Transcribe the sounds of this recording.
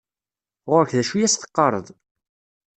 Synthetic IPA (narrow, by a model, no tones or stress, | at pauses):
ʁʊɾəçðæʃujæsθə̥qːɑɾˤə̰ðˤ